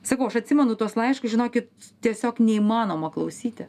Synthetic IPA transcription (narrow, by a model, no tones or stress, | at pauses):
sɐkɐʊɐʃɐt̪ʲsʲɪmʲɛnʊt̪uɔslˠɐɪʃkʊsʒʲɪnoːkʲɪt̪t̪ʲiɛsʲoːknʲɛiːmɑːnoːmɐklˠɐʊsʲiːt̪ʲɪ